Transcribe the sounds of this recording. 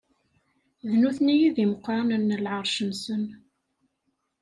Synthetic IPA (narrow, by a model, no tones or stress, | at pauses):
ðnuθnijiðiməqːɾˤɑnənːəlʕəɾˤʃənsən